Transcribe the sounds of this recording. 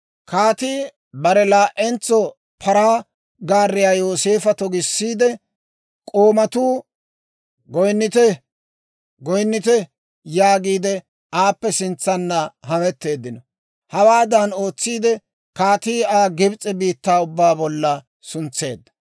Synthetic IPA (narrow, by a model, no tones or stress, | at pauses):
kʰaːt̪iː | bɐɾɛlaːʔɛnt͡sːɔ | pʰɐɾaː | ɡaːrːɪjaːjo̞ːse̞ːfɐt̪ɔɡɪsːiːd̪ɛ | kʼoːmɐt̪uː | ɡɔjnːɪt̪ɛ | ɡɔjnːɪt̪ɛ | jaːɡiːd̪ɛ | aːpːɛsɪnt͡sːɐnːɐɦɐmɛt̪ːe̞ːd̪ːɪnɔ | hɐwaːd̪ɐno̞ːt͡sːiːd̪ɛ | kaːt̪iːaːɡɪbt͡sʼːɛbiːt̪ːaːʊbːaːbɔlːɐ | sʊnt͡sːe̞̰ːd̪ːɐ̥